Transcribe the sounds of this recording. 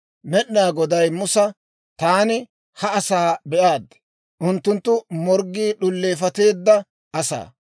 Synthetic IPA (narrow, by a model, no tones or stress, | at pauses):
mɛɗnaːɡɔd̪ɐjmʊsɐ | t̪aːnɪ | hɐɐsaːbɛʔaːd̪ | ʔʊnt̪ːʊnt̪ːʊmɔɾɡːiːɗʊlːe̞ːfɐt̪e̞ːd̪ːɐ | ɐsa̰ː